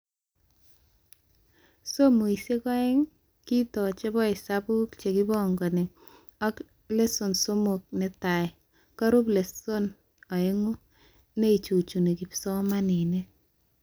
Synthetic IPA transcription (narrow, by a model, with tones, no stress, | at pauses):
so˦mu˨i˨se˦kɔ˦ɛ˦ŋ | ki˦tɔ˨t͡ʃe˦bɔ˦i˨sapu˦kt͡ʃe˨ki˦bɔ˦ŋɡo˨ne˨ | a˦k | le˦so˨nso˦mok̚ne˨ta˨j | ka˦ɾu˦ple˨so˦n | a˨e˦ŋu˦ | ne˦i˨t͡ʃu˨t͡ʃu˨ne˨ki˨psɔ˦ma˦ni˨ne˦